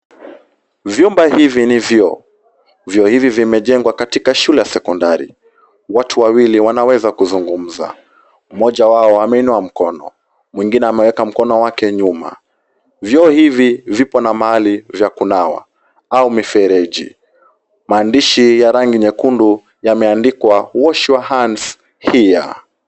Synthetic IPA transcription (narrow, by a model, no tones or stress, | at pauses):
vjumbahivinivjɔ | vjɔhivivimɛʄɛŋɡwakatikaʃulɛjasɛkɔndaɾḭ | watʰuwawiliwanawɛzakuzuŋɡum̩za̰ | mɔʄawaɔamɛinuam̩kɔnɔ̰ | mwiŋɡinɛamɛwɛkam̩kɔnɔwakɛɲuma̰ | vjɔːhivivipɔnamaalivjakunawa̰ | aumifɛɾɛʄḭ | maːndiʃijaɾaŋɡiɲɛkundu | jamɛandikwawɔʃiwahans | hija̰